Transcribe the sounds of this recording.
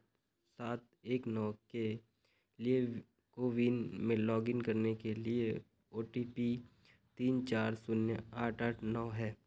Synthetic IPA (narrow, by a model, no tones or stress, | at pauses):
saːt̪̚ | eːknɔːke | lie | koːʋinmẽlɔːɡɪnkɐɾnekelie | oːʈipi | t̪iːnt͡ʃaːɾsʊnjəaːʈʰaːʈʰnɔːɦɛː